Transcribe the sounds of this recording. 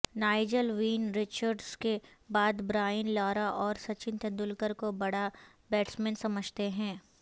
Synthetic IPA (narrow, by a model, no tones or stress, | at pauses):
naːɪd͡ʒəlʋiːnɾɪt͡ʃəɾɖskebaːd̪bɾaːjənlɔːɾaʔɔːɾsɐt͡ʃɪ̃nt̪ʰə̃d̪ʊlkəɾkobɐɽa | bɛːʈsmɛ̃ːnsɐməd͡ʒʱt̪eɦɛ̃ː